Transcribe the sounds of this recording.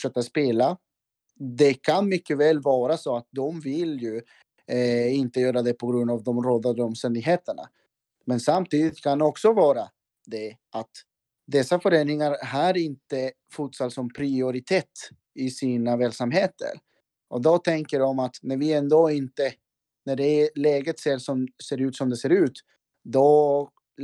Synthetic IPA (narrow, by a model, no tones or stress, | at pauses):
fʂœːk̪aspeːla | d̪ɛkʰanmʏkːəvɛːlvɑːɾasoːat̪̚d̪ɔmvɪljɵ | ɪnt̪əjœːɾad̪ɛpʰɔɡɾɵnd̪avd̪ɔmɾoːd̪ad̪ɔmst̪ɛnd̪ɪɡɦeːt̪əɳa̰ | mɛnsamt̪iːd̪ɪt̪kʰanɔksɔvɑːɾa | d̪ɛʔat̪ | d̪ɛsːafœɾeːnɪŋaɾɦaɾɪnt̪ə | fut̪saɾsɔmpʰɾɪʊɾɪt̪ʰeːt̪ | ɪsiːnavɛːlsamɦeːt̪ə̰ɾ | ʔɔd̪ɔt̪ʰɛŋkəɖɔmat̪næɾvɪɛnd̪oːɪnt̪ə | næɖɛlɛːɡət̪seːɾʂɔmseːɾʉ̟ːt̪sɔmd̪ɛseːɾʉ̟ːt̪ | d̪ɔ